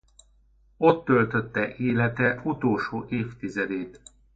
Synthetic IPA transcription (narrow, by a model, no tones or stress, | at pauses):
o̞t̪ːø̞lt̪ø̞t̪ːɛʔeːlɛt̪ɛut̪oːlʃoːʔeːft̪izɛd̪eːt̪